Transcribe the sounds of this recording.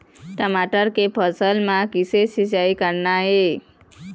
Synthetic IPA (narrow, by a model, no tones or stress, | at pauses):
ʈəmaʈəɾkepʰəsəlmãkisesit͡ʃaikəɾnaɦe